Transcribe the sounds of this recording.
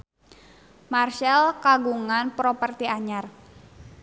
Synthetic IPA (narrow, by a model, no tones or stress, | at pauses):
marʃɛlkaɡuŋanpɾopərt̪iaɲar